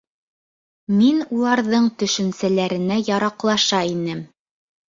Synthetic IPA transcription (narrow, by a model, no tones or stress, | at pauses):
minulˠɑɾðɤɴt̪ɵ̆ʃɵ̆nsælæɾɘ̆næjɑɾɑqlˠɑʃɑinɘm